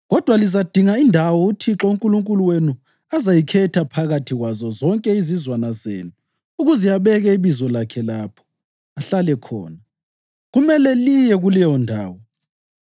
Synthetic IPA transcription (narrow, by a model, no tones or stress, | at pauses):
ɣɔd̥ʱwalizad̥ʱiŋaindʱawɔutʰiǁouŋkʼuluŋkʼuluwenu | azajikʰɛtʰapʰaɣatʰiɣwazɔzɔŋkʼɛizizwanazḛːnu | uɣuzijaβɛɣɛiβizɔlakʰɛlaːpʰɔ̥ | aɬalɛkʰɔ̰ːna | ɣumɛlɛlijɛɣulɛjɔndʱaːwɔ